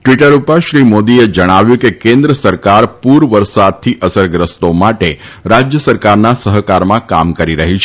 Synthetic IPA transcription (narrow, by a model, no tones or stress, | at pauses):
ʈʋiʈəɾupaʃɾimod̪ied͡ʒəɽ̃aʋjũkekẽnd̪ɾəsəɾkaɾpuɾʋəɾsad̪̚t̪ʰiʔəsəɾɡɾəst̪omaʈe | ɾad͡ʒjəsəɾkaɾnasəɦəkaɾmãka̰mkəɾiɾəɦit͡ʃʰ